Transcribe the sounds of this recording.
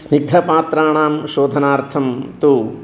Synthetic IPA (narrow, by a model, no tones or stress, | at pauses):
sniɡ̚d̪ʱɐpaːt̪ɾaːɳaːmʃoːd̪ʱɐnaːɾt̪ʰɐmt̪uː